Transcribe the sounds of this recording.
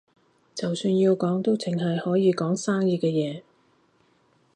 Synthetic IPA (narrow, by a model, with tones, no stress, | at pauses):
t͡sɐ˨wsyː˧njiː˧wkɔː˨˥ŋt̪o˥wt͡sʰɪ˨˩ŋɦɐ˨jhɔː˨˥jiː˨˧kɔː˨˥ŋsaː˥ŋjiː˧kɛː˧jɛː˨˧